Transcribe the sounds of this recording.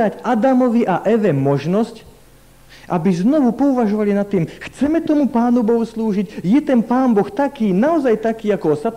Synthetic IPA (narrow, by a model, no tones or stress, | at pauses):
aɟad̪amɔʋiʔaʔɛʋɛmɔʒnɔsc | ʔabiznɔʋupɔuʋaʒɔʋalinat̪ːiːmxt͡sɛmɛt̪ɔmupaːnubɔɦusluːʒicjɛt̪ɛnpaːmbɔxt̪akiːnaɔzajt̪akiːakɔsat̪